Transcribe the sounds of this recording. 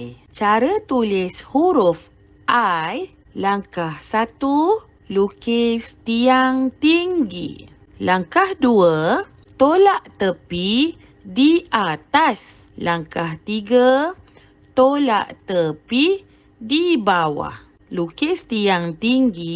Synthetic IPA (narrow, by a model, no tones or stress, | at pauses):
j | t͡ʃaɾət̪ulishuɾuf | ʔaj | laŋkahsat̪u | lukest̪iaŋt̪iŋɡḭ | laŋkahduə | t̪olaʔt̪əpi | diat̪as | laŋkaht̪iɡə | t̪ola̰ʔt̪əpi | dibawa̰h | lukest̪iaŋt̪iŋɡi